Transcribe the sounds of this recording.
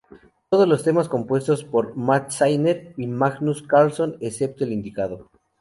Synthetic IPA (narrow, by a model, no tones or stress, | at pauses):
t̪oð̞ozlo̞st̪e̞masko̞mpwe̞st̪o̞spo̞ɾmat̪sajneɾimaɣnuskaɾlso̞nese̞p̚t̪oelind̪ikað̞o